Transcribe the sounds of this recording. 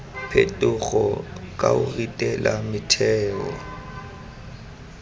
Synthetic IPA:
pʰetʼʊɣɔkʼaʊritʼɛlamɪtʰɛːkɔ

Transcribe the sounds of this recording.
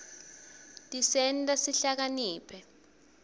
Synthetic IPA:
tisɛntʼasiɬak̬aniːpʰɛ

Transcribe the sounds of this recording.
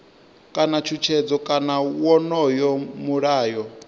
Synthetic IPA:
kʼanat͡ʃʰut͡ʃʰɛd͡zɔkʼanawɔnɔjɔmuɺaːjɔ

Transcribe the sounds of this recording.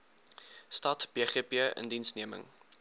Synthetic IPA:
stɐtb̥eːχiəpiəʔə̰ndinsniəmə̰ŋ

